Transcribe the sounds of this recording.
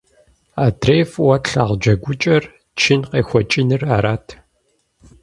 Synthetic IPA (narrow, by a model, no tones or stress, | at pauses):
aːdreːfwɐtɬaːʁd͡ʒɐɡʷʊt͡ʃʼɐr | t͡ʃʰɪnqeːxʷɔt͡ʃʼɪnɨraːɾaːtʰ